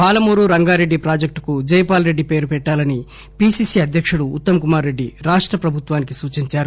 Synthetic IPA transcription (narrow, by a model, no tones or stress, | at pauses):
paːlɐmuːɾuɾɐŋɡaːɾe̞ɖːipɾaːd͡ʒɐk̚ʈkud͡ʒɐːjpaːlɾe̞ɖːipe̞ːɾupɛʈːaːlɐni | piːsiːsiɐd̪ʱjɐkʂuɽuːt̪ːɐmɐkumaːɾːe̞ɖːiɾaːʂʈɾɐpɾɐbʱut̪ʋaːnikisuːt͡ʃiɲt͡ʃaːɾu